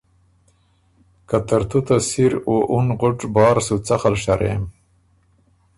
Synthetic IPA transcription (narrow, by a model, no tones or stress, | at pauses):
kat̪aɾt̪ut̪asiɾoʔunʁʊʈ͡ʂbɑːɾsut͡saxalʂaɾḛm